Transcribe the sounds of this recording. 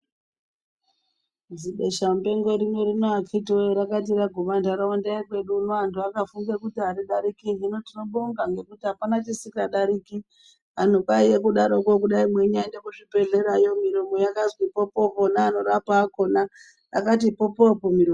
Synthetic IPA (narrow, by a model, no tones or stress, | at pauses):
d͡ziɓe̞ʃambe̞ŋɡo̞ɾino̞ɾinoakʰitiojoɾakat̬iraɡʱuʋandaɾaondaikwe̞ɗuːnoantʰuakafuŋɡekutiɦaɾiɗaɾikiɦino̞tino̞ɓoŋɡaŋɡe̞kutiɦapanat͡ʃisikaɗaɾiki | an̤ukaijekuɗaɾo̞kokuɗaimwe̞ɲaindekuʐibʱe̞ɮe̞ɾajo̞miɾimojakazwipo̞po̞ponaːno̞ɾapaːko̞naː | katipopopomiɾom